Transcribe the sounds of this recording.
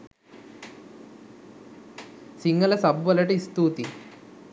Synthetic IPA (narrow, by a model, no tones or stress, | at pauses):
siŋɡɐlɐsɐbʱʋɐlɐʈiist̪uːt̪i